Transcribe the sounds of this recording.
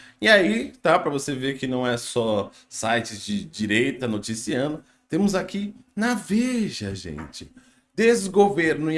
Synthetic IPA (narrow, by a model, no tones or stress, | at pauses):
ɪait̪apɾɐvoseveɾkɪnɐ̃w̃ɛsɔ | sajt͡ʃɪd͡ʒɪd͡ʒiɾejt̪ɐnot͡ʃisiɐ̃d̪ʊ | t̪ẽmʊzakinaveʒɐʒḛ̃nt͡ʃɪ̥ | d̪ezɡoveɾnʊɪ